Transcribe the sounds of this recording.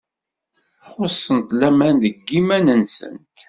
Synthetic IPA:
χʊsˤːənt̪læmænðəɡːimænənsə̰nt̪

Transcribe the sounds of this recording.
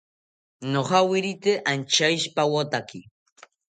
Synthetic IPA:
noχawɪɾit̪eʔant͡ʃajʃpawot̪aki

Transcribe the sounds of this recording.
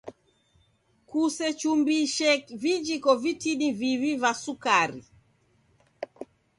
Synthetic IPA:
kusɛt͡ʃumbiʃɛvid͡ʒikɔvitinivivivasukaɾḭ

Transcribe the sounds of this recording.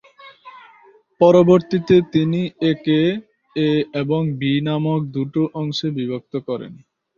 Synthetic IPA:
pɔɾoboɾt̪it̪et̪inieke | eeboŋbinamok̚d̪uʈoʔɔŋʃebibʱok̚t̪okɔɾḛn

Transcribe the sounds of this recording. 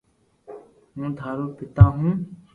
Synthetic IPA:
ɦũːd̪ʱaːɾoːpɪt̪ãːɦũː

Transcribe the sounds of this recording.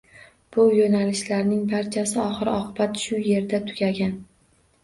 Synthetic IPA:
b̥ʊjonalɪʃlaɾnɪŋbaɾt͡ʃʰasɪɒχɨɾɪɒqʰɨbat̪ʃʊje̞ɾd̪at̪ʰʊɡʲaɡʲan

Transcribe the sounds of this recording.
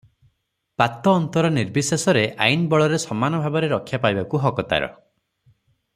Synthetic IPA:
pat̪ɔːnt̪ɔɾɔniɾbisasɔɾeʔa̰jnbɔɭɔɾesɔmanɔbʱabɔɾeɾɔkʰːjapajbakuɦɔkɔt̪a̰ɾɔ̰

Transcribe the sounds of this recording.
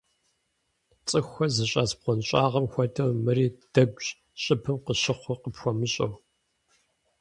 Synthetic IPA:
t͡sʼɨxʷɐzɨɕʼaːsb̚qʷɔnɕʼaːʁɐmxʷɔdɐrmɨriːd̥ɐɡʷɕ | ɕʼɪpʰɨmqəʃɪχʷʊqəpxʷɔmɨɕʼɐ̰w

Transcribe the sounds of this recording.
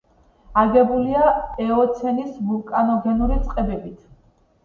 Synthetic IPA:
aɡɛbuliaɛɔt̪sʰɛnisvulˠkʼanɔɡɛnuɾit̪sʼqʼɛbɛbit̪ʰ

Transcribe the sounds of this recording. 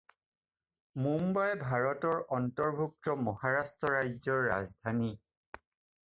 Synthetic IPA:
mumbajbʱaɹɔtɔɹɔntɔɹbʱuk̚tɔmɔhaɹastɹɔɹajzɔɹːa̰zdʱani

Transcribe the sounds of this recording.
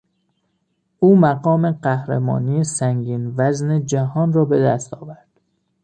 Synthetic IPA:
ʔuːmæɡɒːmeɢæhɾemɒ̰ːnijesæŋɟiːnvæzned͡ʒæhɒːnrɒːbed̪æst̪ʰɒːvæɾd̪̥

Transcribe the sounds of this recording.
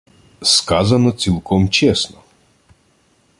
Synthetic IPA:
skazɐnɔt͡s̪ʲilˠkɔmt͡ʃɛsnɔ

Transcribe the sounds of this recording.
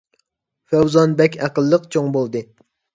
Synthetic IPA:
fæwzɑnbɛkʲʰæqəlˠːəqt͡ʃʰoŋbolˠd̪ɨ

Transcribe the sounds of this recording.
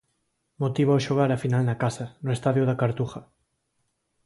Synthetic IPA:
mot̪iβoaʃoɣ̞aɾafinalnɐkasɐnoest̪aðjʊðakaɾt̪uxɐ

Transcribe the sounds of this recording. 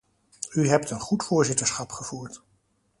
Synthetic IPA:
yɦɛptənχutfʊːɹzɪtəɹsχɑpχəv̥uːɹt

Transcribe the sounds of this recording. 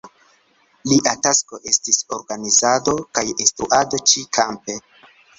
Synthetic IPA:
liʔatasko̞ʔe̞stiso̞ɾɡanizado̞kajistɾuʔado̞t͡ʃikʰampe̞

